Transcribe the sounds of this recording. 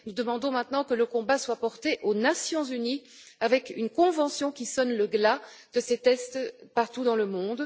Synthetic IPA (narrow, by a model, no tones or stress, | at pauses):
nud̪əmɑ̃d̪ɔ̃mɛ̃t̪nɑ̃kələkɔ̃baswapɔʁt̪eʔonasjɔ̃zyni | avɛkynkɔ̃vɑ̃sjɔ̃kʲisɔnləɡlad̪̥əset̪ɛst̪paʁt̪ud̪ɑ̃ləmɔ̃d̪